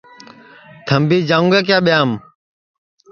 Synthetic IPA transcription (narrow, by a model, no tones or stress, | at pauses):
t̪ʰəmbiːd͡ʒãːũŋɡaːk̬jaːɓɪjaːm